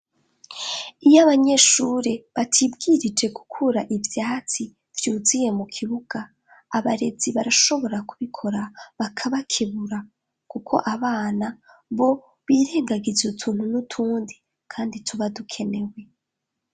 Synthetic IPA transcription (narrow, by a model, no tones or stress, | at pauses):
ijaβaɲe̞ʃuɾeβatʰibɡiɾid͡ʒe̞ɡu̥kʰuɾaʔivjaːt͡si | v̥juːzije̞mukʰiβuɡ̥aː | βaɾe̞d͡ziβaɾaʃo̞βo̞ɾakuβikʰo̞ɾaβakʰaβakʰiβuɾa | kukʰo̞̰ʔaβaːna | βo̞ | βiːɾe̞ːŋɡaɡizutʰuːn̥hunutʰuːndi | kʰaːnditʰuβadukʰe̞ne̞we̞